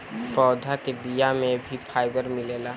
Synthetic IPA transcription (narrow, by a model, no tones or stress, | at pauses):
pɔːd̪ʱakebijamẽbʱipʰaːɪbəɾmɪleːlaː